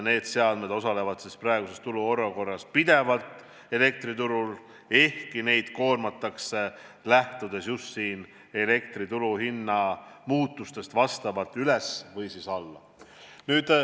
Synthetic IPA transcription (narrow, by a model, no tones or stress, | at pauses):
ne̞ːd̪̥se̞ɑd̪̥med̪o̞sɑle̞vɑd̪̥sisprɑe̞ɡ̥use̞st̪uluo̞rːɑko̞rːɑspid̪̥e̞vɑlt̪ˑ | e̞le̞k̚t̪rit̪uɾul | e̞hkine̞jd̪̥ko̞ːrmɑt̪ˑːɑkse̞læht̪ud̪̥e̞sjust̪siːn | e̞le̞k̚t̪rit̪uluhinːɑmuːt̪ːˑust̪e̞st̪vɑst̪ɑvɑlt̪ːˑylesvɤjsisɑlːɑ̰ | nyːd̪̥